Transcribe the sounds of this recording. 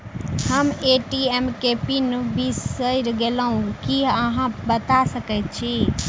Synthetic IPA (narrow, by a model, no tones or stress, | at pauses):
həmeʈiemkepinubisəjɾɡeləɦũkiəɦãbət̪asəkɛjt̪̚t͡ʃʰi